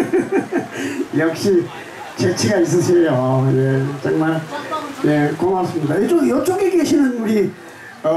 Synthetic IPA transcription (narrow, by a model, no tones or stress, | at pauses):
jʌk̚ɕ͈i | t͡ɕet͡ɕʰiɡais̬͈ɯsʰejojet͡ɕaŋmaɭje̞komas͈ɯmɲidaed͡ʑojʌt͡ɕ͈oŋekeɕʰinɯnuɾi | ʌ